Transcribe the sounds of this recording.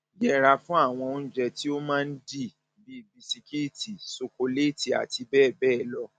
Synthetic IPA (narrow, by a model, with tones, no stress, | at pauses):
jɛ˦˨ɾa˧fũ˦a˦˨w̃ɔ̃˧n̩˦˨d͡ʒɛ˧ti˦o˦mãː˦n̩˦di˦˨ | bi˦˨bi˧si˧ki˦i˦˨ti˨so˧ko˧le˦˨ti˨a̰˨ti˧bɛː˦˨bɛː˦˨lɔ˦˨